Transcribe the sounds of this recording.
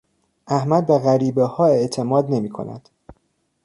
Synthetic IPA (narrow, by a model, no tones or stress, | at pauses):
ʔæhmæd̪̚beɣæɾiːbehɒːe̞ʔt̪ʰe̞mɒːd̪ne̞miːkʰo̞̰næ̰d̪̥